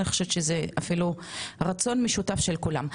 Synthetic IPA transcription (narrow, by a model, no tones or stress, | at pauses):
niχo̥ʃeveʃezeafiluʁat͡so̞nmeʃutafʃe̞lkula̰m